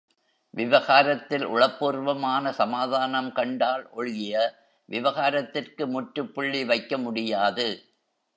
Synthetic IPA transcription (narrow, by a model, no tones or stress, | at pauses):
ʋɪʋɐɣaːɾɐt̪ːɪlʔʊ̰ɻɐpːuːrʋɐmaːnɐsɐmaːðaːnɐmkɐɳɖaːlʔɔɻɣɪjɐ | ʋɪʋɐɣaːɾɐt̪ːɪrkɯmʊʈɾɯpːʊɭːiʋɐɪkːɐmʊɽɪjaːðɯ